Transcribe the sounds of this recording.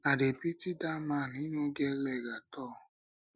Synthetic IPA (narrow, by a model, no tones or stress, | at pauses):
adepitidamãnĩnũɡɛlɛɡatɔ